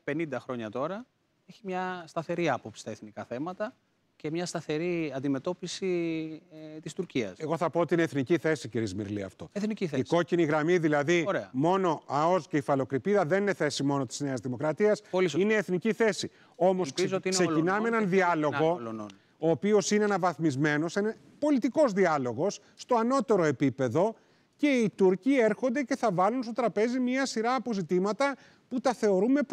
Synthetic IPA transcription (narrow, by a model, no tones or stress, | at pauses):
pe̞nind̪ɐxɾo̞ɲɐt̪o̞ɾɐ | eçimɲɐst̪ɐθe̞ɾiɐpopsi̥st̪ɐeθnikɐθe̞mɐt̪ɐ | cemɲɐst̪ɐθe̞ɾiɐnd̪ime̞t̪o̞pisi | t̪ist̪uɾciɐ̰se̞ɣo̞θɐpo̞ot̪iineθniciθe̞siciɾizmḭɾliɐ̰ft̪o̞eθniciθeiko̞ciniɣɾɐmiðilɐðiɾeɐmo̞no̞ɐo̞zce̞ifɐlo̞kɾipiðɐðe̞nine̞θe̞simo̞no̞t̪i̥zne̞ɐzðimo̞kɾɐt̪iɐsineːθniciθe̞si | o̞mo̞sszsse̞cinɐmeenɐnðiɐlo̞ɣo̞ | oːpio̞sineenɐvɐθmizme̞no̞senɐ | po̞lit̪iko̞zðiɐlo̞ɣo̞sːt̪o̞ɐno̞t̪e̞ɾo̞e̞pipe̞ðo̞ | ce̞it̪uɾcieɾxo̞nd̪ece̞θɐvɐlunst̪o̞t̪ɾɐpe̞zimɲɐɐsiɾɐːpo̞zit̪imɐt̪ɐ | put̪ɐθe̞o̞ɾume̞